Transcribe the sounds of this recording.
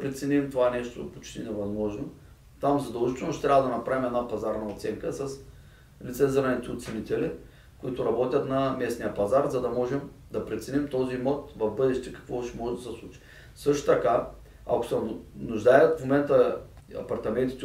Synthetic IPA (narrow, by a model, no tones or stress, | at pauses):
pɾɛt̪sɛnimt̪ovanɛʃt̪opot͡ʃt̪inɛvɐzmɔʒno | t̪amzɐd̪ɐlˠʒit̪ɛlˠnʊʃt̪ɛ̥t̪ɾʲabvəd̪ɐnɐpɾavimɛd̪napɐzaɾnɐot̪sɛŋkəsɐs | lit̪sɛzɾanit̪ɛot̪sɛnit̪ɛli | kʊit̪ʊɾɐbɔt̪ʲjɐt̪nɐmɛsnijəpɐzaɾzɐd̪ɐmɔʒɛm | d̪ɐpɾɛt̪sɛnimt̪ɔzimɔt̪vɐvbɤd̪ɛʃt̪ɛkɐ̥kvɔʃɛmɔʒɛd̪ɐsɛslˠut͡ʃi̥ | sɤʃt̪o̥t̪ɐka | ɐ̰ko̥sɛnʊʒd̪ajɛt̪fmomɛnt̪ə | ɐ̰pɐɾt̪ɐmɛnt̪i̥t̪ɛ